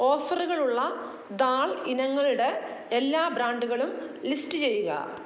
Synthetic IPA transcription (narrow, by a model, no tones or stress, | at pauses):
o̞ːfɐruɣɐɭuɭːɐ | d̪aːɭinɐŋːɐɭiɽe̞ːlːaːbɾaːɳɖuɣɐɭumlisʈɨt͡ɕe̞jːuɣɐ̰